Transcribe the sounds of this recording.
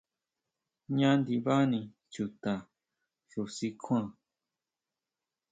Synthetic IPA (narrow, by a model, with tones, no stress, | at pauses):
ɲã˦nd̪i˧βa˦nĩ˧ | t͡ʃu˧˨t̪ã˨ | ʐu˨si˦kʰʷã˧˨